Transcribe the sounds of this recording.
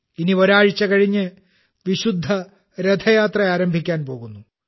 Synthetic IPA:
inioɾaːɻit͡ɕːɐkɐɻiɲːɨ | ʋiɕud̪ʱːɐ | ɾed̪ʱʰɐjaːt̪rɐaːɾɐmbʱikʲːaːnpo̞ːɣunːu

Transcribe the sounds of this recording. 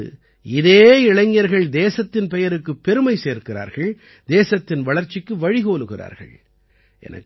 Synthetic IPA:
ɪðeːɪɭɐɪŋːɐɾɣɐɭd̪eːsɐt̪ːɪnpɛjɐɾɯkːɯpːɛɾɯmɐɪseːɾkɪra̰ːɾɣɐɭ | d̪eːsɐt̪ːɪnʋɐɭɐɾt͡ʃːɪkːɯʋɐɻɪɣoːlɯɣɪra̰ːɾɣɐ̰ɭ | ʔɛ̰nɐ̰kː

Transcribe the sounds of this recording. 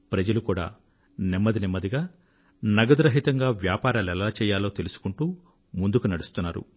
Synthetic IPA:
pɾɐd͡ʒɐlukuːɽa̰ː | nimːɐd̪inimːɐd̪iɡaː | nɐɡɐd̪ɾɐɦit̪ɐŋɡaːʋjaːpaːɾaːlɛlaːt͡ʃɛːjaːlo̞ːt̪e̞lusu̥kuɳʈuː | mund̪ukunɐɽust̪unːaːɾṵ

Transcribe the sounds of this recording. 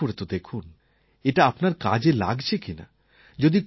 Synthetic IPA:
oɾet̪od̪ekʰun | eʈaapnaɾka̰d͡ʑela̰ɡt͡ɕʰekina̰ | d͡ʑod̪ik

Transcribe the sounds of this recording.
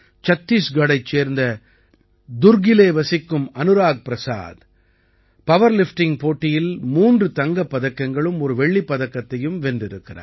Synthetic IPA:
t͡ʃɐt̪ːiːsɡɐɽɐɪt͡ʃːeːɾnd̪ɐ | d̪ʊɾɡɪleːʋɐsɪkːɯmɐnɯɾaːk̚pɪɾɐsa̰ːd̪ | pɐʋɐɾlɪfʈɪŋpoːʈːɪjɪlmuːndrɯt̪ɐŋɡɐpːɐðɐkːɐŋɡɐɭɯmɔɾɯʋɛɭːipːɐðɐkːɐt̪ːɐjɯmʋɛndɪɾɯkːɪra̰ːɾ

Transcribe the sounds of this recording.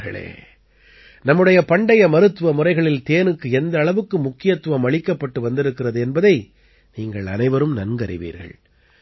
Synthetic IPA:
ɣɐ̰ɭḛː | nɐmːɯɽɐjɐpɐɳɖɐjɐmɐɾɯt̪ːɯʋɐmʊrɐɪɣɐɭɪlt̪eːnɯkːɯɛnd̪ɐːɭɐʋɯkːɯmʊkːɪjɐt̪ːɯʋɐmɐɭɪkːɐpːɐʈːɯʋɐnd̪ɪɾɯkːɪrɐðɯɛnbɐðɐɪ | niːŋɡɐɭɐ̰nɐɪʋɐɾɯmnɐnɡɐɾɪ̰ʋḭːɾɣɐ̰ɭ

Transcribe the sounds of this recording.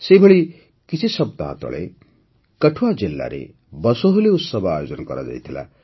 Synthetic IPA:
sejbʱʌɭi | kit͡sʰisʌb̚d̪a̰ːt̪ɔ̰ɭḛ | kʌʈʰuwad͡zelːa̰ɾḛ | bʌsoɦuleusʌbaajod͡ʒɔnkʌɾa̰d͡ʒa̰jt̪ʰila̰

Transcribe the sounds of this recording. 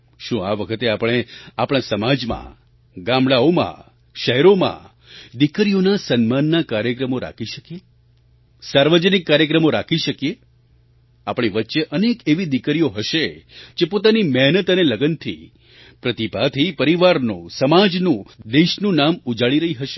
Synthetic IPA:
ʃũaʋəkʰət̪eapəɽ̃eapɽ̃asəmad͡ʒmã̰ | ɡãmɭaomã̰ | ʃəɦɛɾomã̰ | d̪ikɾijonasənmanːakaɾjəkɾəmoɾa̰kʰiʃəkije | saɾʋəd͡ʒənikːaɾjəkɾəmoɾakʰiʃəkije | apɽ̃eʋətːʃeʔənekeʋid̪ikɾijoɦəʃed͡ʒepot̪animɛɦnət̪əneləɡənt̪ʰḭ | pɾət̪ipat̪ʰipəɾiʋaɾnṵ̃səmad͡ʒnũd̪eʃnũnamud͡ʒaɭiɾəɦiɦəʃe̥

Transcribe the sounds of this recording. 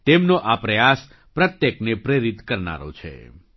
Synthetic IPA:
t̪emnoʔapɾəjas | pɾət̪jəknepɾeɾit̪kəɾna̰ɾo̰t͡ʃʰḛ

